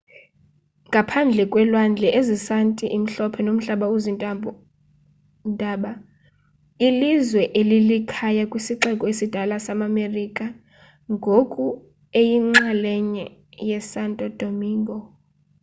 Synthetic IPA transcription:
ŋɡʱapʰand͡ɮʱɛkʼwɛlwand͡ɮʱɛʔezisantʼiʔim̩ɬɔpʰɛnom̩ɬaɓauzinʼa | ndʱaːɓa | ilizwɛʔelilikʰajakʼwisiǁɛkʼɔesid̥ʱalasamamerikʼa | ŋɡʱokʼu | ejiŋ͡ǁalɛɲɛjɛsantʼɔd̥ʱomiːŋɡʱɔ

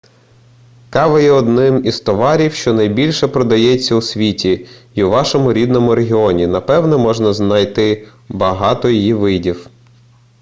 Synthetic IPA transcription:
kɑʋɐjɛɔd̪nɪmizst̪ɔʋɑɾʲiwʃt͡ʃɔnɐjbʲilʲʃɛpɾɔd̪ɐjɛt͡sʲːɐusʲʋʲitʲiiuʋɑʃɔmʊɾʲid̪nɔmʊɾeɦʲiɔnʲinɐpɛwnɛmɔʒnɐznɐjt̪ɪ | bɐɦɑt̪ɔjijiʋɪdʲiw

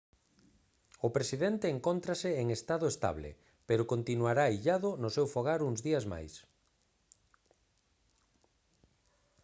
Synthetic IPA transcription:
ʊpɾesiðent̪eːŋkont̪ɾasɪːŋest̪aðʊest̪a̰βlḛ | peɾʊkont̪inuaɾaiʎaðʊnʊsewfoɣaɾuŋzðiazma̰js

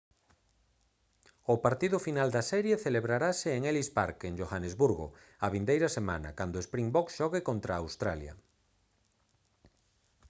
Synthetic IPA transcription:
ʊpaɾt̪iðʊfinald̪asɛɾjeθeleβɾaɾasɪːŋelispa̰ɾkend͡ʒoxanezβuɾɣʊ̰ | aβind̪ejɾɐsema̰nɐ̰kand̪oespɾiŋbɔksʃɔɣɪkont̪ɾaːwst̪ɾa̰ljɐ̰

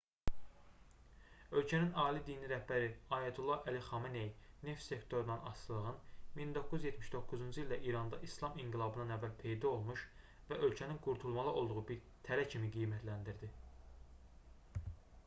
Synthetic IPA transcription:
ø̞lcʰæninɑːlid̪iːniɾæhbæɾiɑːjæt̪ʰulˠːɑʔæliχɑminejne̞ft̪se̞kt̪ʰo̞ɾunɑnɑ̰st̪ɯlˠɯʁɯnmind̪o̞kːuzjet̪miʃd̪o̞kːuzund͡ʒɯiild̪æʔiɾɑnd̪ɑʔislˠɑmiŋɡilˠɑbɯnɑnævːælpʰe̞jd̪ɑo̞lˠmuʃ | væʔø̞lcʰæninɡuɾt̪ʰulˠmɑlˠɯʔo̞lˠd̪uʁubiɾ | t̪ʰæɾæcʰimiɡijmæt̪ʰlænd̪iɾd̪i

